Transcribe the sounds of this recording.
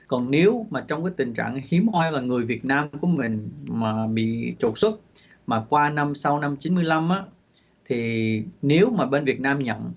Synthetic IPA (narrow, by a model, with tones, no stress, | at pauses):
kɔ˨˩nne˨˦wmaː˨˩t͡ɕɔ˧wŋ͡mkaː˨˦jt̪ï˨˩ŋ̟t͡ɕa̰ː˧˨ŋhi˨˦əmhɔ˧jvaː˨˩ŋɨ˨˩əjvi˨˩ət̚naː˧mku˧˩əmï˨˩ŋ̟maː˨˩ɓḭ˧˨t͡ɕo˨˩t̚swə˦˥t̚ | maː˨˩kwaː˧na˧msa˧wna˧mt͡ɕi˨˦nmɨ˧əjla˧mʔaː˨˦ | t̪ʰi˨˩ne˨˦wmaː˨˩ɓe˧nvi˨˩ət̚naː˧mɲə̰˧˨n